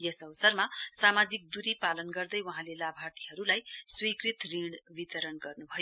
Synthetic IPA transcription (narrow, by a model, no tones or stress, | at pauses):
jʌsʌbʌsʌrmasamad͡zik̚d̪uɾipalʌnɡʌrd̪ʌjwaɦãlelabʱart̪ʰi̥ɦʌɾulajswikrit̪riɽbit̪ʌɾʌnɡʌrnubʱʌjo